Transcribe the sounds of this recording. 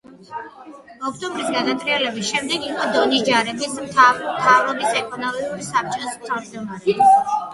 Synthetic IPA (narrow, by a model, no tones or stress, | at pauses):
ɔkʰt̪ʼɔmbɾisɡad̪at̪sʼɾiɛlɛbisʃɛmd̪ɛɡiqʼɔd̪ɔnisd͡ʒaɾɛbismt̪ʰmt̪ʰavɾɔbisɛkʼʰɔnɔmiiuɾisap̚t͡ʃʼɔsmt̪ʰavmd͡ʒd̪ɔmaɾɛ